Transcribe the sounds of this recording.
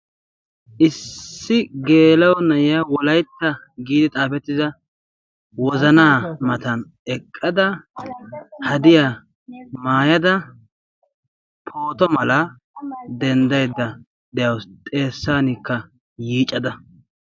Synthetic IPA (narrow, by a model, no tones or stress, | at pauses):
ʔɪsːɪɡe̞ːlɐwɔnɐʔɪjawɔlɐjt̪ːɐ | ɡiːd̪ɪt̪ʼaːpɛt̪ːɪzɐ | wɔzɐnaːmɐt̪ɐn | ɛkʼːɐd̪ɐ | hɐd̪ɪjaː | maːjɐd̪ɐ | pʰo̞ːt̪ɔmɐlɐ | d̪ɛnd̪ɐjd̪ːɐ | d̪ɛjɐwst̪ʼe̞ːsːaːnikːɐ | jiːt͡ʃʼːɐd̪ɐ